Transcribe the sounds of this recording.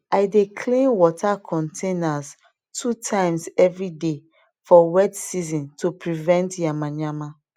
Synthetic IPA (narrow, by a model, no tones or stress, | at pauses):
aɪdekʰlĩnwɔtʰakʰɔ̃ntʰẽnaz | tʰutʰãɪ̃msɛvɹide | fɔwɛtsizɔ̃ntʰupʰɹivɛ̃ntjamãɲãma